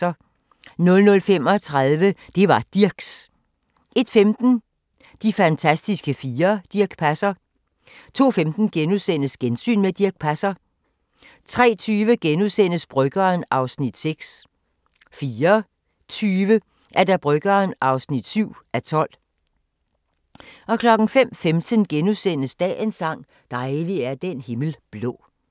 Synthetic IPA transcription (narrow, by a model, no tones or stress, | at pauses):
ɐ | nɔ̽lnɔ̽lfem̰ɒ̽t͡sʰʁaðˠʋəd̥e̝ʋɑ̈d̥iɐɡ̥s | e̝d̥femd̥n̩ | d̥ifænt͡sʰæsd̥isɡ̥əfiːɐd̥iɐɡ̥pʰæsɐ | t͡sʰo̝̰ːfemd̥n̩ɡ̥enuðˠsen̰əsɡ̥ensy̰ːnmed̥iɐɡ̥̚pʰæsɐ | t͡sʰʁɛ̰ːt͡sʰyːʋəɡ̥enuðˠsen̰əsb̥ʁœɡ̥ɐːnɑ̈ʊsnid̥seɡ̥s | fiːɐ | t͡sʰyːʋə | ʔæɐd̥æb̥ʁœɡ̥ɐːnʔɑ̈ʊsnid̥syʊ̰ʔæt͡sʰɒ̽l̰ | ʔɒ̽kʰlɒ̽ɡ̥n̩fem̰femd̥ənɡ̥enusen̰əsd̥ɛ̰ːensɑ̈ŋ̰ | d̥ɑ̈ɪliæɐd̥enhe̝ml̩b̥lɔ̰̽ː